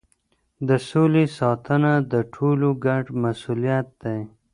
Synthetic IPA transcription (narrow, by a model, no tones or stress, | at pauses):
d̪əsolesɑt̪ʰənad̪əʈʰoloɡaɖmasulijat̪̚d̪aj